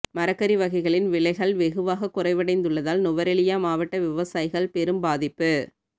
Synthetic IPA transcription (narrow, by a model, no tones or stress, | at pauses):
mɐɾɐkːɐɾiʋɐɣɐɪɣɐɭɪnʋɪɭɐɪɣɐɭʋɛɣɯʋaːɣɐkːʊrɐɪʋɐɽɐɪnd̪ɯɭːɐðaːlnʊʋɐɾɛɭɪjaːmaːʋɐʈːɐʋɪʋɐsaːjɪɣɐɭpɛɾɯmbaːðɪpːɯ